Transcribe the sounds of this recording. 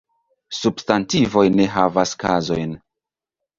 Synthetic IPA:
substantivo̞jne̞ɦavaska̰zo̞jn

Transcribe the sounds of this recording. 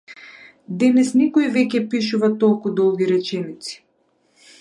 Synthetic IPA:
d̪ɛnɛsnikɔivɛcʲɛpiʃuvat̪ɔlˠkud̪ɔlˠɡʲiɾɛt͡ʃɛnit̪si̥

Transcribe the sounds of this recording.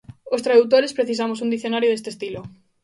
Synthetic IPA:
ost̪ɾaðut̪̬oɾespɾeθis̬amosũnd̪iθjonaɾjoðest̪est̪ilo

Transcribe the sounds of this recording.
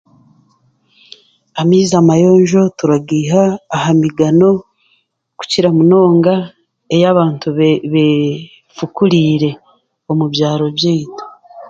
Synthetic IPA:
amiːzamajo̞ːɲʒo̞tuɾaɡiːɦaːhamiɡano̞ | ku̥ciɾamuno̞ːŋɡa | ejaβaːntuβe | fukuɾiɾe̞ | o̞mubjaːɾo̞bjiːto̥

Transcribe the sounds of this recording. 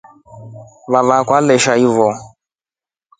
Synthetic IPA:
βavakwalɛʃaivɔ

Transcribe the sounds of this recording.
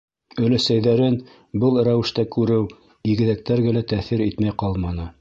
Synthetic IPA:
ɵ̆læsæjðæɾɘn | bɤlˠɾæwɘ̆ʃt̪ækʉɾɘw | iɣɘ̆ðæk̚t̪æɾɡælæt̪æθɘɾit̪mæjqɑlˠmɑnɤ

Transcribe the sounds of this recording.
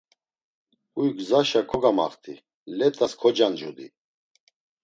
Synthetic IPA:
ujɡzaʃakʰɔɡama̰χt̪ʰi | lɛt̪ʼaskʰɔd͡ʒand͡ʒud̪ḭ

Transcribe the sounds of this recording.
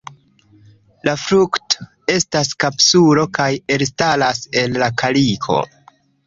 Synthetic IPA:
lafɾukto̥ | e̞staskapsuɾo̞kaje̞lstalase̞lːakʰalikʰo̞̰

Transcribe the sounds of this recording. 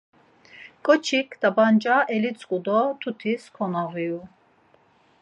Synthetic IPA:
kʼɔt͡ʃʰikʰd̪̥abant͡ʃʼaʔɛlit͡sʼkʼud̪ɔt̪ʰut̪ʰiskʰɔnaɣiu

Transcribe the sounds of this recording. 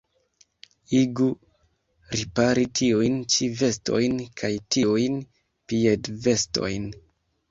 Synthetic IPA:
iɡu | ɾipaɾitiujnt͡ʃive̞sto̞̰jnkʰajtiujn | piedve̞sto̞̰jn

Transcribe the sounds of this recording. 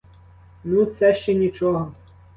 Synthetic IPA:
nut̪sɛʃt͡ʃɛnʲit͡ʃɔɦɔ

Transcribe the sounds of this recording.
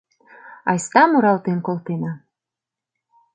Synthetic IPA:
ɑ̰jst̪ɑmuɾɑlt̪enkolˠt̪ena

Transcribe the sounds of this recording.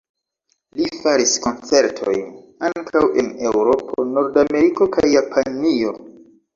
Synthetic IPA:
lifaɾisko̞nt͡se̞ɾtʰo̞̰jn | aŋkʰawʔe̞ne̞wɾo̞pʰono̞ɾdame̞ɾiko̞kʰajːapʰanio̞

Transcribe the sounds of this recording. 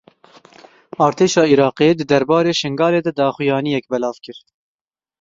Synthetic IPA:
ɑːɾt̪ʰeːʃɑːiɾɑːqeːd̪ɨd̪ɛɾbɑːɾeːʃɨŋɡɑːleːd̪ɛd̪ɑːxʊjɑːnijɛk̚bɛlɑːvkɨɾ

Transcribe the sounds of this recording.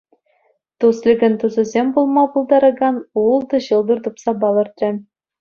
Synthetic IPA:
t̪uslʲɘ̆ɡʲɘ̆nt̪uzɤ̆zʲembulˠmɑbulˠd̪ɑɾɤ̆ɡɑnulˠd̪ɤ̆ɕɤ̆lˠd̪ɤ̆rt̪upsɑbɑlˠɤ̆rt̪ʲrʲɘ̆

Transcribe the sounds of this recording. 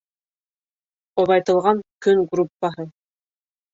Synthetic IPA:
oβɑjt̪ɤ̆lˠʁɑŋkɵŋɡrupːaɦɤ

